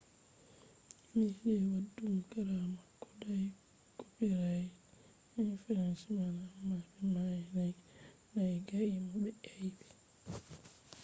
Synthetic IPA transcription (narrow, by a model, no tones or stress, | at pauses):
miɛwadːumkaɾamakɔdaj | kopiɾajɛ | ɛnfiɾansimanamabɛmajɛnaj | najɡaʔimɔɓɛʔejbi̥